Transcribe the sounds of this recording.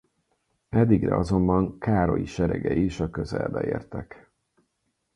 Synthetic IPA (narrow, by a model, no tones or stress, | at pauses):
ɛd̪ːiɡrɛ̰ɒzo̞mbɒŋkaːɾo̞jiʃɛɾɛɡɛiʃɒkøzɛlbɛeːrt̪ɛk